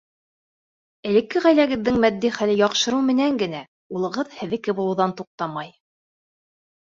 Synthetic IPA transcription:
ɘ̆lɘ̆kːɘʁæjlæɡɘ̆ðːɘŋmæd̪ːiχælɘjɑqʃɤ̆ɾɤwmɘ̆næŋɡɘ̆næ | ulˠɤ̆ʁɤðhɘ̆ðɘ̆kɘbulˠɤ̆wðɑnt̪uq̚t̪ɑmɑj

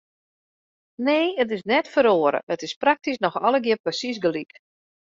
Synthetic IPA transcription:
neːət̬ɪsnɛtfəɾoəɾə̰ətɪsprak̚tisnɔxɔləɡɪəpəsis̬ɡəlik

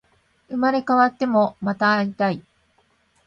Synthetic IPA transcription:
ɯ̟maɾe̞kaβat̪ːe̞mo̞mat̪aːɾʲit̪ai

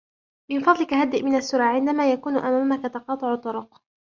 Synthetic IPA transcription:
mɪnfɑd̪ˤlɪkaɦad̪ːɪʔmɪnasːʊɾaːʕɪnd̪amaːjakuːnʔamaːmakat̪ɑqɑːt̪ˤɨʕt̪ˤːʊɾʊq

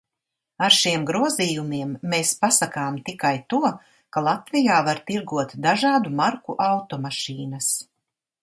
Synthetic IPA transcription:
aɾʃiɛmɡɾuɔziːjumiɛmːeːspasakaːmt̪ikajt̪uɔ | kalˠat̪vijaːvaɾt̪iɾɡuɔt̪d̪aʒaːd̪umaɾkuʔawt̪ɔmaʃiːnɐs

